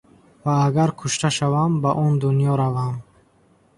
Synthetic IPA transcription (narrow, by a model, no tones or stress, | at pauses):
vaːɡaɾkʰuʃt̪aʃavambaʔɔnd̪unijɔɾavam